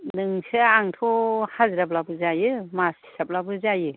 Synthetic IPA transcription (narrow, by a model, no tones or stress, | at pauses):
nɯŋsɯaŋtʰɔhazɾap̚labɯzajɯmasi̥sap̚labɯzajɯ